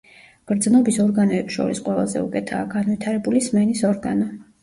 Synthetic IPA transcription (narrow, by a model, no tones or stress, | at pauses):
ɡ̥ɾd̪znɔbisɔɾɡanɔɛpsʃɔ̰ɾisqʼwɛlˠa̰zɛ̰ṵkʼɛt̪ʰa̰ːɡanvit̪ʰaɾɛbulismɛnisɔɾɡa̰nɔ